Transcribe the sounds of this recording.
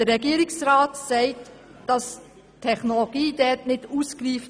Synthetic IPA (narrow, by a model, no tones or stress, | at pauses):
d̥əɛɡiəɾɪksɾaːtsɛɪt | d̥ɑs | tʰːɛχnoloɡiːdɛtnɪduːskriːf